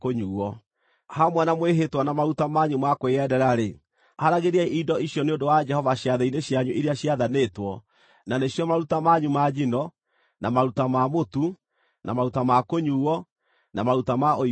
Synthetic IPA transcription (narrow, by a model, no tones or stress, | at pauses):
koɲuːɔ | hamwɛnamweɦetwanamaɾutamaɲumakweɛdɛɾaɾe | haɾaɣeɾiaʔidɔʔiɕjɔneondowad͡ʒɛhɔvaɕjaðeineɕjaɲuʔiɾeaɕjaðanetwɔ | naneɕjɔmaɾutamaɲumad͡ʒinɔ | namaɾutamamotu | namaɾutamakoɲuːwɔ | namaɾutamao